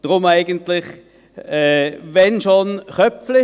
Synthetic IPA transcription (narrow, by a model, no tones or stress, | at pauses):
d̥ʁʊmaɪɡəntlɪχ | ɛːʋɛnʃonχœflɪ